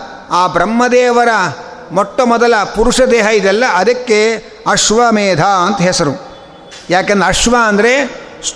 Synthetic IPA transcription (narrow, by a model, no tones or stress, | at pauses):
aːbɾɐmːɐd̪ɛːʋɐɾɐ | mɔʈːɐmɔd̪ɐlɐpuɾuʂɐd̪eːɦɐid̪ɛlːɐʔɐd̪ɐkːe | ɐʂʋɐmeːd̪ʱaːɐnt̪ɐɦɛsɐɾu | jaːkend̪ɐʂʋɐɐnd̪ɐɾe | s